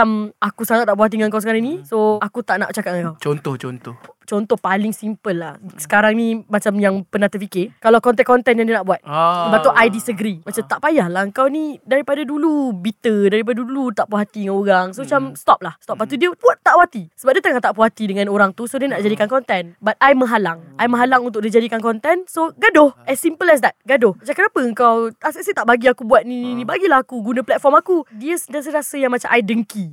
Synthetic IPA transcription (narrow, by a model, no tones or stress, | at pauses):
amakusaŋat̪ːaʔpuɦat̪̬iŋaŋkawsəkaɾaŋnĩsoakut̪aʔna̰ʔt͡ʃakat̚ŋãŋkawt͡ʃont̪ɔht͡ʃont̪ɔt͡ʃɔnt̪ɔhpalɪŋsimpəlːahsə̥kaɾaŋnĩmat͡ʃamjaŋpənat̪əfikɪkalawkɔnt̪̬ɛʔkɔnt̪ɛnjaŋdiənaʔbuat̪̚bat̪uʔajdisəɡɾimat͡ʃamt̪aʔpajahlahəŋkawnidaɾipadadulubit̪ədaɾip̬adadudulut̪aʔpuɦat̪idəŋanoɾaŋsomat͡ʃamst̪ɔp̚lahst̪ɔp̚lat̪udiəpuat̪ːaʔwat̪isəbap̚diət̪əŋat̪aʔpuɦat̪idəŋãnoɾaŋt̪usodiənaʔd͡ʒadikankɔnt̪ɛnbat̪̚ajmə̃ɦalaŋʔajmə̃ɦalaŋunt̪̬ʊkdid͡ʒadikankɔnt̪ɛnsoɡadʊhʔɛsimpəlɛs̬dɛt̚ɡadʊhmat͡ʃamkənapəəŋkawasəʔsət̪aʔbaɡiakubuat̪̚nĩnĩnĩbaɡilaɦakuɡunə̃plɛt̪̚fɔmakudiəsədas̬əɾasəjaŋmat͡ʃamʔajdəŋki